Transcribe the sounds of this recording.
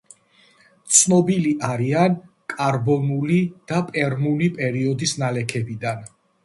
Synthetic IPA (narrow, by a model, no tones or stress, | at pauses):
t̪sʰnɔbiliʔaɾian | kʼaɾbɔnulid̪̥apʼɛɾmulipʼɛɾiɔd̪isnalɛkʰɛbid̪an